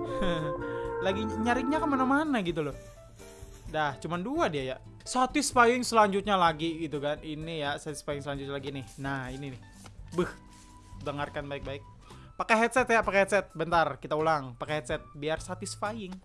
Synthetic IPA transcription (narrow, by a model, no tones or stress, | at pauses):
əlaɡiɲaɾɪŋɲakamanamanaɡit̪ulɔh | daht͡ʃumanduadiaja | sat̪ɪsfajɪŋsəlaɲd͡ʒut̪̚ɲalaɡiɡit̪ukaninijasat̪ɪ̥sfaɪŋsəlaɲd͡ʒut̪̚ɲalaɡinɪhnahininɪh | bɨh | dəŋarkanbaɪk̚baɪk̚ | pakɛɦɛt̪̚sɛt̪japakɛhɛt̪sɛt̪̚bənt̪arkit̪aulaŋpakɛɦɛt̪̚sɛt̪̚biarsat̪ɪsfajɪŋ